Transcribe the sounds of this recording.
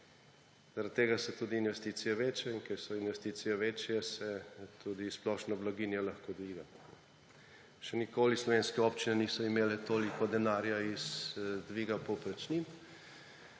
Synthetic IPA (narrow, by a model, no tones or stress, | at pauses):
z̥aɾat̪ːeːɡasɛt̪ud̪iːnʋɛst̪iːt̪sijɛʋeːt͡ʃɛinkɛɾsɔinʋɛst̪iːt̪sijɛʋet͡ʃjɛsɛt̪ud̪isplɔʃnɔblaɡinjɛlaxkod̪ʋiːɡa | ʃɛnikoːlislɔʋeːnskɛɔpt͡ʃinɛnisɔimeːlɛt̪oːlikɔd̪ɛnaːɾjaizd̪ʋiːɡapɔpɾɛt͡ʃnim